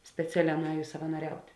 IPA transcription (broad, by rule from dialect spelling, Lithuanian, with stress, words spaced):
sʲpʲɛˈt͡sʲæːˌlʲɛː nʊˈɛːjʊs sɐʋɐnoːˈrʲɛʊtʲ